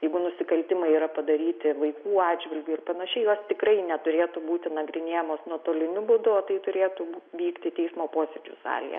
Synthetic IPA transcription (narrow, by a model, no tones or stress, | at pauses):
jɛɪɡʊnʊsʲɪkɐlʲt̪ʲɪmɐɪiːɾɐpɐd̪ɐɾʲiːt̪ʲɪʋɐɪkuːɑːdd͡ʒʲʋʲɪlʲɡʲuːɪrpɐnɐʃʲɛɪjoːst̪ʲɪkɾɐɪnʲɛt̪ʊɾʲeːt̪ubuːt̪ʲɪnɐɡɾʲɪnʲeːjɛmoːsnuɔt̪oːlʲɪnʲʊbʊd̪ʊoːt̪ɐɪt̪ʊɾʲeːt̪ubuːtʋʲiːkt̪ʲɪt̪ʲɛɪsmoːpoːsʲed͡ʒʲṵsɑ̰ːlʲḭjɛ̰